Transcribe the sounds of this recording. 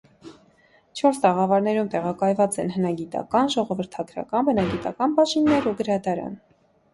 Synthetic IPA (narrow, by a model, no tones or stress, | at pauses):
t͡ʃʰɔɾst̪ɑʁɑvɑɾnɛɾumt̪ɛʁɑkɑjvɑt͡sɛnɦənɑɡit̪ɑ̰kɑnʒɔʁɔvəɾt̪ʰɑɡɾɑ̰kɑnbənɑɡit̪ɑkɑnbɑʃinːɛɾuɡəɾɑd̪ɑɾɑ̰n